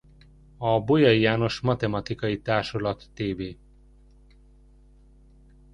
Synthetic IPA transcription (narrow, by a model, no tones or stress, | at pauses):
ɒbojɒjjaːno̞ʃmɒt̪ɛmɒt̪ikɒjit̪aːrʃolɒt̪ːeːveː